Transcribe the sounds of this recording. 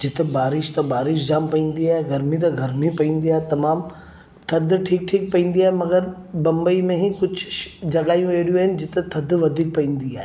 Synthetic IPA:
d͡ʑɪt̪ebaːɾɪʃt̪ɐbaːɾɪʃd͡ʑaːmpɐĩːn̆d̪iaːɦeɡɐɾmit̪ɐɡʱɐɾmipɐĩːn̆d̪iaːɦet̪ɐmaːm | t̪ʰɐd̪ʱʈʰiːk̚ʈʰiːk̚pɐĩːn̆d̪iaːɦemɐɡəɾbɐ̃mbəimẽɦikʊd͡ʑʱd͡ʑɐɠaːijũeːɽijũaːɦɪnɪ̆d͡ʑɪt̪et̪ʰɐd̪ʋɐd̪ʱiːk̚pɐĩːn̆d̪iaːɦe

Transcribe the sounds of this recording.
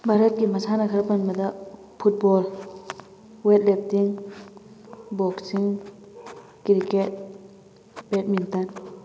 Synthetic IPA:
bʱaɾət̪̚kimɐsʰanakʰaɾpanmɐd̪a | pʰut̚bɔl | wet̚lep̚tiŋ | bɔksiŋ | kɾiket̚ | bet̚mint̪an

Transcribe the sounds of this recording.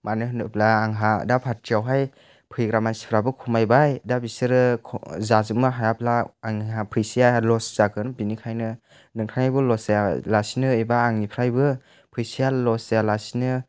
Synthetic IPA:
manɯɦɯnɯplaːŋɦa̰dapʰaɾtiawɦaj | pʰɯjɡɾamansi̥pʰɾabɯkʰumajbajdabisɯɾɯzazɯmɯɦajapʰlaːŋiɦapʰɯjsijalɔsz̥akɯnbinikʰajnɯ | nɯŋkʰaŋajbɯlɔsalasinɯibaːŋnipʰɾajbɯ | pʰɯjsijalɔsjalasinɯ

